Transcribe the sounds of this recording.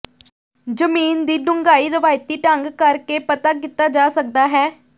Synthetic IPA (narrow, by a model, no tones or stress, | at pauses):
d͡ʒəmiːnd̪iːɖʊŋɡaːiːɾəʋaːjt̪iːʈəŋɡkəɾkeːpət̪aːk̬iːt̪aːd͡ʒaːsək̚d̪aːɦɛː